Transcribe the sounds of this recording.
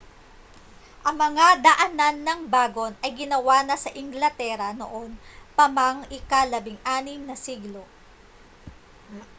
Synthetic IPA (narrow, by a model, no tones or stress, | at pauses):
ʔɐŋmɐŋad̪ɐʔɐnanːɐŋbaːɡo̞nɐjɡɪnɐwaːnɐsɐʔɪŋɡlɐt̪ɛːɾɐno̰ʔo̞npɐmaŋɪkalɐbɪŋʔaːnɪmnɐsiɡlo̞